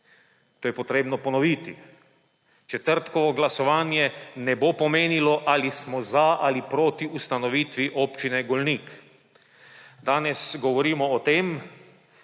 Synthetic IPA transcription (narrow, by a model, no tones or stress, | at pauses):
t̪oːjɛpɔt̪ɾeːbnɔpɔnɔʋiːt̪i | t͡ʃɛt̪əɾt̪kɔʋɔɡlasɔʋaːnjɛnɛbopɔmeːnilɔʔalismɔzaʔalipɾoːt̪iust̪anɔʋiːt̪ʋiʔoːpt͡ʃinɛɡɔlniːk | d̪aːnɛsɡɔʋɔɾiːmɔːt̪eːm